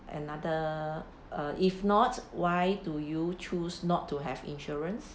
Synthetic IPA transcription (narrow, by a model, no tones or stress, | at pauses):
ʔɛ̰nadə | aʔifnɔtwajdujut͡ʃusnɔtʰːuɦɛvḭ̃nʃɔɹə̃ns